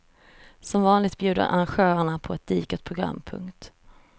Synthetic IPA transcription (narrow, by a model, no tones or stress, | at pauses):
sɔmvɑːnlɪɡt̪̚bjʉ̟ːd̪ə̰ɾʔa̰ɾanɧœːɾaɳapʰɔɛt̪̚d̪iːkət̪̚pʰɾʊɡɾa̰mːpʰɵ̰ŋkt̪